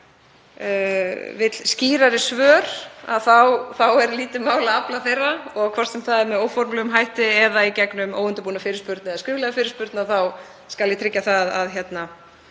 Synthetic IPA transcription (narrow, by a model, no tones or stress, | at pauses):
vɪt̪lsciːɾaɾɪsvœːɾ̥a̰ðθawθawɛɾliːt̪ɪmaːwlaaplaθejrːaɔɣkʰv̥aɾ̥st̪sɛmθaðɛɾmɛðoːwfɔɾmlɛɣʏmɦajht̪ɪɛðaicɛknʏmo̰wʏnt̪ʏpuːnafɪːɾɪspʏɾt̪nɛðaskʏːvlɛɣafɪːɾɪ̥spʏɾt̪naðθaw | skaljɛt̪ʰɾɪcːaθaða̰ðçjɛt̪na